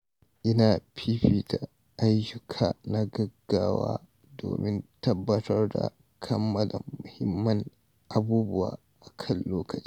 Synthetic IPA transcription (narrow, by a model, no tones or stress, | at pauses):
ʔinapʰiɸita | ajd͡ʒʊkʰanaɡɐɡːaːwa̰ː | do̰ːmʔintɐbːɐtɐɾda̰ | kʰɐmːɐlamʊhimːɐn | ʔabuːbʊwa̰ | ʔakʰɐlːoːkɐt͡ʃi̥